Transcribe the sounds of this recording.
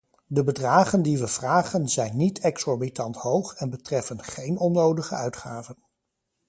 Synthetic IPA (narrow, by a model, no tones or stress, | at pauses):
dəbədraːχəndiʋəv̥raːχənzɛjnːitɛksɔɹbitɑntɦowχɛnbətrɛfənχejnɔnowdəχəœɥtχa̰ːvən